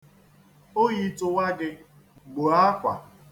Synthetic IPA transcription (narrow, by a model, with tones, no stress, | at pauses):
o˦ɣi˨tʊ˨wa˦ɡɪ˦ | ɡ͡bo˨a˦kʷa̰˨